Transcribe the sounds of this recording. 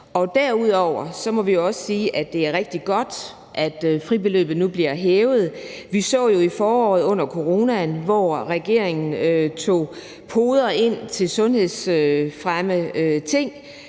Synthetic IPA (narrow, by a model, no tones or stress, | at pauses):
ɒ̽d̥æɐ̰uð̞̰ˠɒʊ̰ɐsɒ̽mɒ̽ʋijo̝ɒ̽sə̥siːʔæd̥e̝æɐʁɛɡ̥̚d̥iɡ̥ɒ̽d̥ | ʔæd̥fʁib̥e̝lø̰ːb̥ð̩ˠnub̥liɐɦeːʊð̞̩ˠʋisɒ̰̽ːjo̝ifɒːɒ̰ːð̩ˠɔ̽n̰ɐkʰo̝ʁo̝ːnænʋɒʁɛɡ̥e̝ɐ̰eŋn̩øt͡sʰo̝̰ː | pʰo̝ːð̞ˠɐe̝n̰t͡sʰe̝lsɔ̽nhe̝ð̰ˠsøfʁamət͡sʰe̝ŋ̰